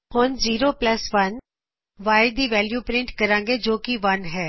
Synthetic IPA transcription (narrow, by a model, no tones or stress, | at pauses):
honziːɾoːpləsʋən | ʋaːɪɖd̪iːʋɛːljuːpɾɪ̃ɳʈkəɾãːŋɡeːd͡ʒoːkɪʋənɦɛː